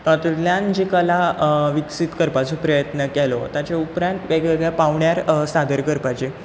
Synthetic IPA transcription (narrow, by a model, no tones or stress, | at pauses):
ət̪uljand͡ʑikəlaʋiksit̪kəɾpat͡sopɾəjət̪nəkɛlo̰t̪jat͡ɕeupɾãnt̪ʋeɡɭeɡɭɛpaʋɳjaɾsad̪əɾkəɾpat͡ɕe